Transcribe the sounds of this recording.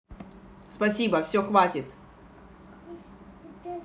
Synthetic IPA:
spɐsʲibəfsʲoxvatʲɪt̪

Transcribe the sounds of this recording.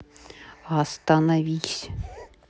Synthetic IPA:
ɐst̪ɐnɐvʲisʲ

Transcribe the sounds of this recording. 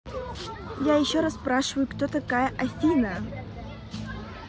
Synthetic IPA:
jajɪɕːoɾasspɾaʂɨvəjʊkt̪ot̪ɐkajəʔɐfʲinə

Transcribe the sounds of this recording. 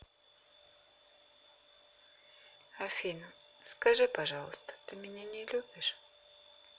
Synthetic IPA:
ɐfʲin | skɐʐɨpɐʐɑlˠəst̪ə̥t̪ɨmʲɪnʲenʲɪlʲubʲɪʂ

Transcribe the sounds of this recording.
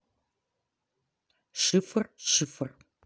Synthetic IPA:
ʂɨfɨrɕɨfɨr

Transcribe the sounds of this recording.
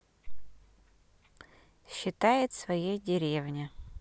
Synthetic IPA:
ɕːɪt̪ajɪt̪svɐjejdʲɪɾʲevnʲɪ

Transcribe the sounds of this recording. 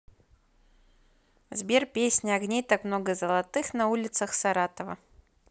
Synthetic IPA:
vzbʲerpʲesʲnʲɪɐɡnʲejt̪akmnoɡəzəlˠɐt̪ɨxnɐulʲɪt̪səxsaɾat̪əvə̰

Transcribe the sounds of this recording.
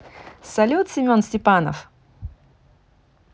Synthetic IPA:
sɐlʲut̪sʲɪmʲonsʲtʲɪpanə̰f

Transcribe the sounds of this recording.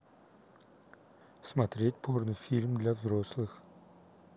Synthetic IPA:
smɐt̪ɾʲet̚ʲpʰornɨjfʲilʲmd̪lʲavzɾo̞slˠɨx

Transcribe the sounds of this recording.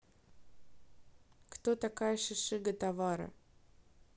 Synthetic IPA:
kt̪ot̪ɐkajəʂɨʂɨɡət̪avaɾə̰

